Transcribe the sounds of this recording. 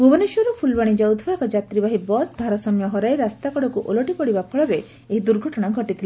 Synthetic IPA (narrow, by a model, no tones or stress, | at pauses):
ɡubɔneʃɔɾupʰulbaɽ̃id͡ʒɔwd̪ʱbekɔd͡ʒat̪ɾibaɦibɔsb̪ʱaɾɔsɔmjɔɦɔɾaeɾast̪akɔɽɔkuʔolɔʈipɔɽibapʰɔɭɔbe | eɦid̪uɾɡʱɔʈɔɽ̃aɡʱɔʈit̪ʰile